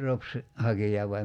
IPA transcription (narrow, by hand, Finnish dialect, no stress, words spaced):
ropsi hɑkijɑ ʋɑim